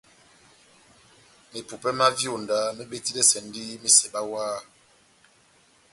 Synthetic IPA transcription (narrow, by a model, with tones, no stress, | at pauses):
me˨pu˨pɛ˦ma˦vjo˨nda˨˦me˦ɓe˦ti˦lɛ˦sɛ˨n˦di˦mi˨sɛ˨ɓa˦waː˦